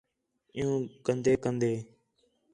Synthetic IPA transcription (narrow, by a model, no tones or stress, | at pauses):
ɪ̃jũːkənd̪eːkənd̪eː